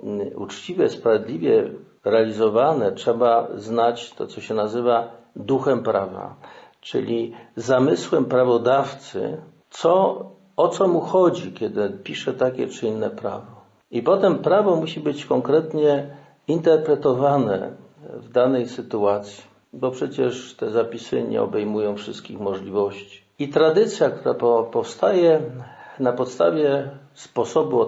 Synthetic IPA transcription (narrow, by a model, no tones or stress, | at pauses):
ṵt͡ʂt͡ɕivʲjɛspɾavʲjed̪lʲivʲjɛ | ɾɛalʲizɔvanɛtʂɛbaznat͡ɕt̪ɔ̰t̪sɔɕɛnazɘva | d̪uxɛmpɾava̰ | t͡ʂɘ̰lʲizamɘswɛmpɾavɔd̪aft̪sɘ̰ | t̪sɔ | ɔt̪sɔmuxɔd͡ʑikʲɛd̪ɘpʲiʂɛt̪akʲɛ̰t͡ʂɘinːɛpɾa̰vɔ | ipɔt̪ɛmpɾavɔmuɕibɘt͡ɕkɔŋkɾɛt̪ɲɛ | int̪ɛɾpɾɛt̪ɔvanɛ̰ | vd̪anɛjsɘt̪uat̪sʲji̥ | bɔpʂɛt͡ɕɛʂt̪ɛzapʲisɘ̰ɲɛ̰ɔ̰bɛjmujɔ̃w̃fʂɘst̪̚kʲixmɔʐlʲivɔɕt͡ɕi̥ | it̪ɾad̪ɘt̪sʲjak̚t̪uɾa̰pɔpɔfst̪ajɛnapɔt̪st̪avʲjɛ | spɔsɔbu